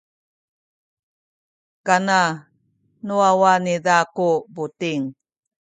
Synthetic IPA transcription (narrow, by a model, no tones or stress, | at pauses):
kana | nuawanidakubutiŋ